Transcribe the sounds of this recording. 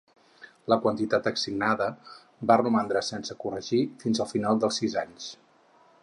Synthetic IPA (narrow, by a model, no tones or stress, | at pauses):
ləkwənt̪it̪at̪əksiɡnaðə | barumand̪ɾəsɛnsəkurəʒifinzəlˠfinalˠd̪əlˠsizaɲs